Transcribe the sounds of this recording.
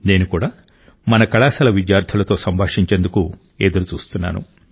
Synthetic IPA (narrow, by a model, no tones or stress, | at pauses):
ne̞ːnukuːɽaː | mɐnɐkɐɭaːsɐlɐʋid͡ʒjaːɾd̪ʱʰɐlɐt̪o̞ːsɐmbʱaːʂiɲt͡ʃeːnd̪uku | eːd̪ɐɾut͡ʃuːst̪unːa̰ːnṵ